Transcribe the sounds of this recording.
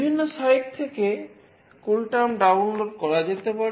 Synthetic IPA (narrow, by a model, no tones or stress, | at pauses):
bʱinːoʃɔjek̚t̪ʰeke | kulʈamɖawnloɖkɔɾad͡ʑet̪epaɾ